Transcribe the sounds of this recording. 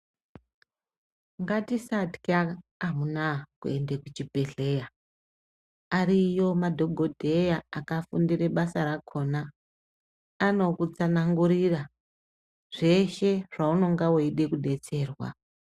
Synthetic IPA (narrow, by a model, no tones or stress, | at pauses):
ŋɡatisatkaːɦunakuendekut͡ʃibʱe̞ɮe̞ja | aɾijo̞madʱo̞ɡʱodʱe̞jaakafundire̞ɓasaɾakʰo̞na | no̞kut͡sanaŋɡuɾira | ʐ̥e̞ʃe̞ʐ̥auno̞ŋɡawoiɗe̞kuɗe̞t͡se̞ːrwa̰